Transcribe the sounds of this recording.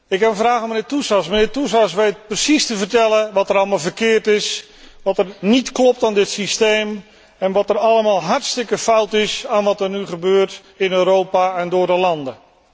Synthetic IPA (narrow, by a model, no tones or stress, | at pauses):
ɪkɦɛpənvraːɣɔmənɪːtusɑsmənɪːɹtusɑsʋejt̚prəsistəvərtɛləʋɔtəɾɑlˠmalˠvərkɪːrtɪs | ʋɔtərnitklɔp̚taːndɪtsistejm | ɛnʋɔtərɑlˠəmaːlˠɦɑrtstɪkəfʌwtɪsaːnʋɑtərnyχəbøːrt | ɪnøːɾowpaɛndʊːrdəlɑndə